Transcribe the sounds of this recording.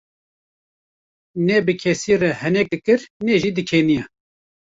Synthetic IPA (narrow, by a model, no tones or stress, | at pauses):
nɛbɨkʰɛsiːrɛhɛnɛk̚d̪ɨkɨɾnɛʒiːd̪ɨkʰenijɛ